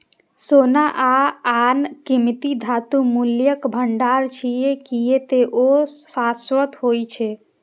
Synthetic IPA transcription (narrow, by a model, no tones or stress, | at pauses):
sonaʔaankimt̪id̪ʱat̪umuljəkbʱəɳɖaɾt͡ʃʰijekijet̪eʔosaswət̪ɦojt͡ʃʰe